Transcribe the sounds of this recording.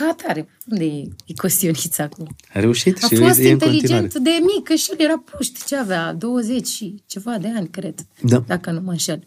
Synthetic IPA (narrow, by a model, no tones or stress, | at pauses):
at̪ʰaɾe | und̪eikost̪ionʲit̪sakolo | aɾeuʃit̪alasint̪elid͡ʒeat̪d̪emikəʃiljeɾapuʃt̪t͡ʃeavead̪o̞wəzet͡ʃʲʃit͡ʃevad̪eanʲkɾet̪d̪ad̪akənumaʃel